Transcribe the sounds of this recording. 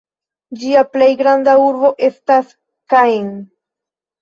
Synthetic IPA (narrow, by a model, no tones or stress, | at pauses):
d͡ʒiaple̞jɡɾandauɾbo̞ʔe̞stas | kajn